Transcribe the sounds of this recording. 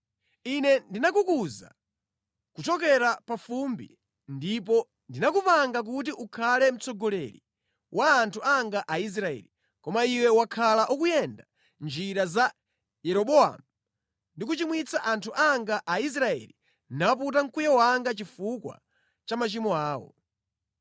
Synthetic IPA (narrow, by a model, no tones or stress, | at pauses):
inɛndinakukuza̰ | kut͡ʃɔk̬ɛɾapafumbḭ | ndipɔ | ndinakupaŋɡak̬utiʔukʰalɛm̩t͡sɔɡɔlɛɾḭ | wʔaːntʰuaŋɡaʔais̬ɾaɛ̰li | kɔmaiwɛwakʰalaʔukujɛnda | nd͡ʒiɾaza | jɛɾɔɓɔa̰mu | ndik̬ut͡ʃimwit͡saʔantʰuʔaŋɡaʔais̬ɾaɛ̰li | nap̬utaŋ̩kujɛwaŋɡat͡ʃifukwa̰ | t͡ʃamat͡ʃimɔaːwɔ̰